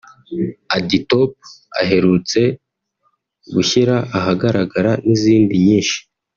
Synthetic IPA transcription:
aditop̚a̰ɦe̞ɾut͡se̞ | ɡuçiɾaʔaɦaɡaɾaɡaɾaniziːndiɲiːnʃi̥

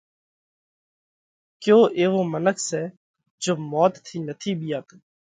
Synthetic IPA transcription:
kjõːʔeːʋoːmənəkʰsɛː | d͡ʒoːmɔːt̪t̪ʰːiːnət̪ʰiːɓɪjaːk̪ə

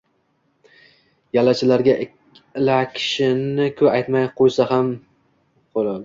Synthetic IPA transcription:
jalat͡ʃʰɪlaɾɡʲa | lakʲʰɪ̥ʃɪnɪkʰɵajt̪majqʰojsaham | qʰolad

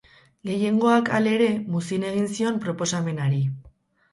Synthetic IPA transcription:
ɡe̞je̞ŋɡo̞akale̞ɾe̞musine̞ɣ̞insio̞mpɾo̞po̞same̞naɾi

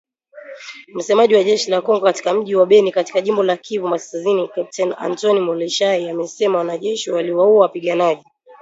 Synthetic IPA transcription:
m̩sɛmaʄiwaʄɛʃilakɔŋɡɔkati̥kam̩ʄiwaɓɛnikati̥kaʄimbɔlakʰivumaskazinikap̚tɛna̰ntɔnimɔlɛʃaiamɛsɛmawanaʄɛʃiwaliwauawapiɠanaʄi

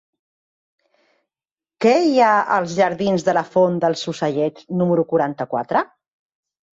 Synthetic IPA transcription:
kɛjaə̰lˠzʒəɾðinzðələfond̪əlˠsusəʎɛt͡ʃnuməɾukuɾant̪əkwa̰t̪ɾə

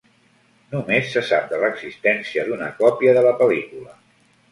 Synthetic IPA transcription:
numesːəsap̚d̪ələɡzist̪ɛnsiəðunəkɔpiəðələpəlikulə

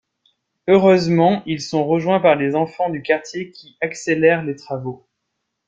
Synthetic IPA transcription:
øʁøzmɑ̃ilsɔ̃ʁəʒwɛ̃paʁlezɑ̃fɑ̃d̪ykaʁt̪jekʲʰiakselɛʁlet̪χavo

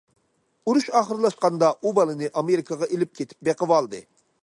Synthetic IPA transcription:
uɾuʃɑːχəɾɨlˠɑʃqɑnd̪ɑʔubɑlˠɨnɨʔɑmeɾɪkʰɑʁɑʔelɪp̚kʲʰet̪ʰɪ̥p̚beqəvɑlˠd̪ɨ

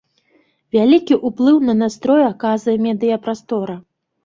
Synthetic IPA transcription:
vʲalʲikʲiʔuplˠɨwnɐnast̪ɾɔjɐkazɐjɛmʲɛd̪ɨjɐpɾast̪ɔɾɐ

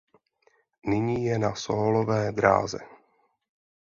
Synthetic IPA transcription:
nɪɲiːjɛnasoːlovɛːd̪ɾa̰ːzɛ̰

